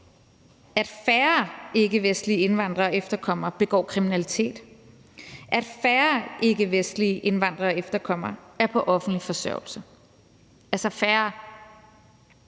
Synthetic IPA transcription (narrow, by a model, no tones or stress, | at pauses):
æd̥fæɐe̝ɡ̥əʋesd̥lie̝nʋɑ̈n̰d̥ʁɐːɒ̽efd̥ɐkʰɒ̽m̰ɐb̥e̝ɡ̥ɒ̰ːkʰʁiminælit͡sʰe̝̰ːd̥ | ʔæd̥fæɐʔe̝ɡəʋesd̥liʔe̝nʋɑ̈n̰d̥ʁɐɒefd̥ɐkʰɒ̽m̰ɐæɐpʰɒ̽ʔɒ̽fn̩d̥lifɒ̽sɶɐʊ̰l̩sɐ | ælsɐfæːɐ